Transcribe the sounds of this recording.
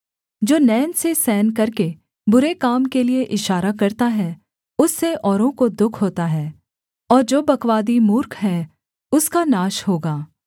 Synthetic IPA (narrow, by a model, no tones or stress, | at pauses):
d͡ʒoːnɛːnsesɛːnk̬ɐɾke | bʊɾekaːmkelieʔɪʃaːɾakɐɾt̪aɦɛ | ʊsːeʔɔːɾõkod̪ʊkʰɦoːt̪aɦɛː | ɔːɾd͡ʒoːbɐkʋaːd̪imuːɾkɦɛ̃ | ʊskanaːʃhoːɡaː